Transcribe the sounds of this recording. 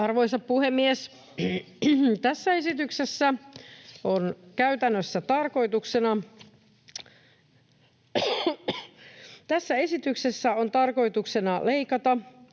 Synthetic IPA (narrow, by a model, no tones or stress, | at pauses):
ɑrʋoisɑppuhemːies | t̪æsːæesit̪yksesːæ | onkæyt̪ænːøsːæt̪ɑrko̞jt̪uksenɑ | t̪æsːæe̞sit̪yksesːæont̪ɑrko̞jt̪uksenɑleikɑt̪ɑ